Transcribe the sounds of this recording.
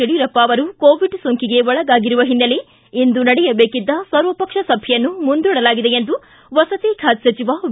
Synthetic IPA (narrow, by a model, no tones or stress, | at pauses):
eɽiɾɐpːaːʋɐɾukoːʋiɖsoŋkiɡe̞ɔɭɐɡaːɡiɾuʋɐɦinːɐle | ind̪unɐɽɛjɐbeːkid̪ːɐsɐɾʋɐpɐkʂɐsɐbʱjjɐnːumund̪uːɽɐlaːɡid̪e̞jend̪u | ʋɐsɐt̪iːkʰaːt̪sɐt͡ʃiʋa